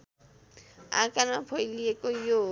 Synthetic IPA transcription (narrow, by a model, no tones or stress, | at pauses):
a̰kanapʰʌjlijekojo